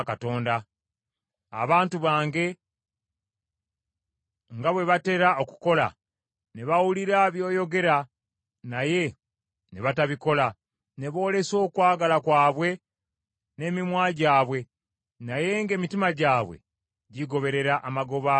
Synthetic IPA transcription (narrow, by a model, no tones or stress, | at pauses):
kato̞ːnda | a̰βaːntuβaːŋɡe̞ | ŋɡaβwe̞βate̞ɾao̞ku̥ko̞la̰ | ne̞βawuliɾaβjo̞ːjo̞ɡe̞ɾa | naje̞ | neβataβiko̞la | ne̞βo̞ːle̞so̞ːkwaːɡalakwaːβwe̞ | ne̞mimwaːɟaːβwe̞ | naje̞ŋɡe̞ːmitimaɟaːβwe̞̰ | ɟiɡo̞βe̞ɾe̞ɾaʔːmaɡo̞βa